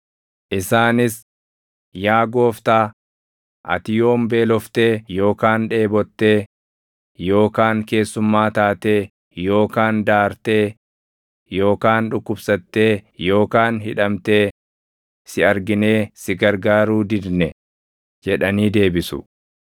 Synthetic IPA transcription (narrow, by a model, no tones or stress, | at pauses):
ʔɪsaːnɪs | jaːɡo̞ːft̪aː | ʔɐ̰t̪ɪjo̞ːmbe̞ːlɔft̪e̞ːjo̞ːkaːnᶑe̞ːbɔt̪ːe̞ː | jo̞ːkaːŋke̞ːsːʊmːaːt̪aːt̪e̞ː | jo̞ːkaːnd̪aːɾt̪e̞ː | jo̞ːkaːnᶑʊkːʊbsɐt̪ːe̞ːjo̞ːkaːnɦɪᶑɐmt̪e̞ː | sɪɐɾɡɪne̞ːsɪɡɐɾɡaːɾuːd̪ɪd̪nɛ | d͡ʒɛᶑɐniːd̪e̞ːbɪsʊ̰